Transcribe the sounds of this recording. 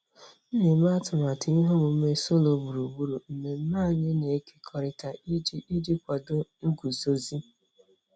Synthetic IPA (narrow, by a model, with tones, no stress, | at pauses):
m̩˦me˨m̩˦a˦tʊ˨ma˨tɪ˨˦i˦ɦo˦mʊ˨˦me˦so˦lo˨˦bu˨ɾu˨bu˦ɾu˨m̩˨me˨m̩˦ma˦˨ɲe˦ne˨e˦ke̥˦kʰɔ˨ɾɪ˨ta˨˦i˦di˦kʷa˨do˦ɡʷu˨so˨zi˦